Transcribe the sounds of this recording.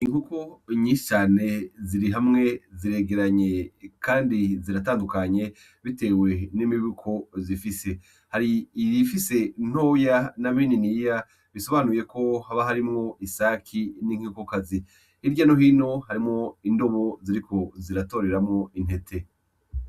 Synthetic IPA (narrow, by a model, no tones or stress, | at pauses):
iŋukoɲĩːʃi̥t͡ʃaːne̞ziɾiɦamŋe̞ziɾe̞ːɡe̞ɾaɲe̞kʰaːndiziɾataːndukaɲe̞ | βite̞ːwe̞nimiβukʰo̞zifise̞ | haɾiːjifise̞n̥oːjanamiːninija | βiso̞βanuje̞ko̞haβaɦaɾimŋo̞ʔisaːkʰiniŋhikokazi | iɾɟanoɦiːno̞haɾimŋo̞indo̞βo̞ziɾiko̞ziɾato̞ːɾe̞ɾamŋo̞in̥he̞tʰe̞